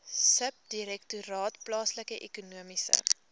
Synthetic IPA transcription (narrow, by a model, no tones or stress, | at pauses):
səp̚diɾɛk̚tuɾɑːtplɑːsləkəʔɛkunuəmisə̰